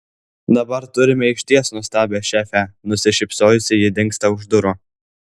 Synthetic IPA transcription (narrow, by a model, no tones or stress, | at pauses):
d̪ɐbɐɾt̪ʊɾʲɪmʲɛɪʃʲt̪ʲiɛsnʊst̪ɑːbʲɛːʃʲæːfʲænʊsʲɪʃʲɪpsoːjʊsʲɪjɪd̪ʲɪŋkst̪ɐʊʒd̪ʊɾʊ